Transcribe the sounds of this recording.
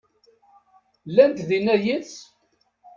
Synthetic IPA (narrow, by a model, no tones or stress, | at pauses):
lːænt̪ðinæjət͡s